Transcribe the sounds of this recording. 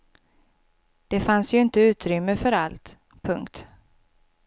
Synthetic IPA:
d̪̥ɛfansjɵɪnt̪əʉ̟ːt̪ɾʏmːəfœɾalt̪ | pʰɵŋkt̪

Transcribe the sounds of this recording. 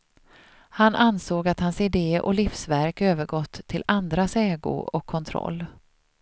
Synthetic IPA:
hanʔansoːɡat̪hansɪd̪eːʔɔ̰lifsvæɾkøːvəɾɡɔt̪ʰːɪland̪ɾasɛːɡʊ̰ɔkʰːɔnt̪ʰɾɔ̰lː

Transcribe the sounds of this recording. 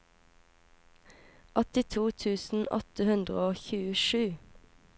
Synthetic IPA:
ʔɔt̪ɪt̪ʰuːt̪ʰʉːsn̩ɔ̰t̪əhʉnd̪ʁə̰oːçʉːəʃʉː

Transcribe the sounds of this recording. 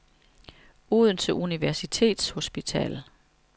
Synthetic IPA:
uð̞ˠn̩t͡sʰe̝lʔuniʋæɐsit͡sʰe̝̰ːd̥sho̝sb̥it͡sʰɛ̰ːl

